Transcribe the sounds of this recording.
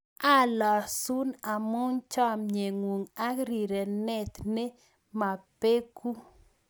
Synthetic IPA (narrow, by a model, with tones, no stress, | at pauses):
a˦lɔ˨su˦na˨mʊ˦nt͡ʃɔ˦mɲe˨ŋwu˨ŋa˦ɾi˨ɾe˨nɛ˨t̪ne˦ | ma˨pe˦ku˦